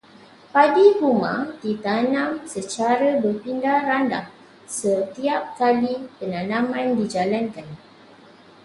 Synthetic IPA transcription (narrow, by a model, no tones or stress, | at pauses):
padikumã̰dit̪anãmsət͡ʃaɾəbərpindaranda̰h | sət̪iap̚kalipənãnãmãndid͡ʒalankan